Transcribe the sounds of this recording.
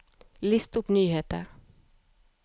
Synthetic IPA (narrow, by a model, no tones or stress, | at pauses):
lɪst̪ʊpnyːheːt̪ə̰ɾ